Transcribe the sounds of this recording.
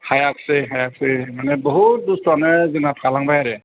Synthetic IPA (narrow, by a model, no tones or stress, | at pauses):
hajak̚sɯjɦajak̚sɯmanebɔɦut̚dusɾɔnɯzɯnapʰalaŋbajaɾe